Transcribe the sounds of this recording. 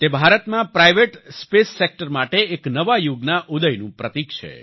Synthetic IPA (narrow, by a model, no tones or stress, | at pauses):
t̪ebʱaɾət̪mãpɾajʋeʈspesːek̚ʈəɾmaʈeːknəʋajuɡnaʔud̪əjnũpɾət̪ikt͡ʃʰḛ